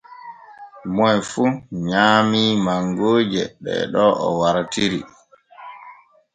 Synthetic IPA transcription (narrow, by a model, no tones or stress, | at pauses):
mɔjfuɲaːmimaŋɡoːd͡ʒɛ̰ɓɛ̰ɗɔʔɔ̰waɾatiɾi